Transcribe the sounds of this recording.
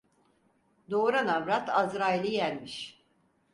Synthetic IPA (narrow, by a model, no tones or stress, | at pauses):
d̪oːɾanavɾat̪ʰazɾailʲijælʲmiʃ